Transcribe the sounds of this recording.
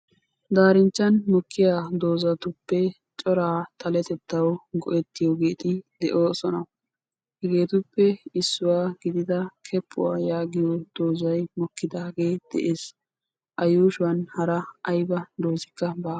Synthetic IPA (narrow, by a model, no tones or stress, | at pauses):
d̪aːɾɪnt͡ʃːɐnmɔkːɪjaːd̪o̞ːzɐt̪ʊpːɛ | t͡ʃʼɔɾaːt̪ʰɐlɛt̪ɛt̪ːɐwɡɔ̰ʔɛt̪ːɪjoɡeːt̪ʼɪd̪ɛʔo̞ːsɔnɐ | hɛɡe̞ːt̪ʊpːɛɪsːʊwaːɡɪd̪ɪd̪ɐkʰɛpʰːʊ̰waːjaːɡɪjod̪̥oːzɐjmɔkːɪd̪aːɡe̞ːd̪̥ɛ̰ʔe̞ːs | ʔɐjuːʃʊwɐnhɐɾɐɐjbɐd̪o̞ːzɪkːɐbaː